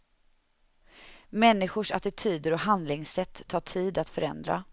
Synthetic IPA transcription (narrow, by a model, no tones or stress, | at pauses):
mɛnːɪɧʊʂat̪ɪt̪ʰyːd̪əɾɔɦand̪lɪŋsɛt̪ʰːɑːʈʰiːd̪at̪fœɾɛ̰nd̪ɾa̰